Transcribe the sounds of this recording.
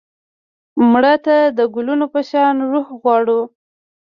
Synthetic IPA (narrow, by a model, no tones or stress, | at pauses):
mɽət̪ad̪əɡʊlunopəʃɑnɾuhɣwɑɽu